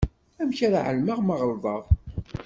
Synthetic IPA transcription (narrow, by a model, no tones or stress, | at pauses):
æmçaɾaʕə̰lməʁmɑʁəɾðˤɑʁˤ